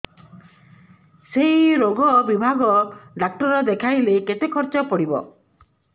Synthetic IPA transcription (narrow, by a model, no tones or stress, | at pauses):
seɦiɾoɡɔbibʱaɡɔɖak̚ʈɔɾɔd̪ekʰajleket̪ekʰɔɾt͡ʃɔpɔɽibɔ̰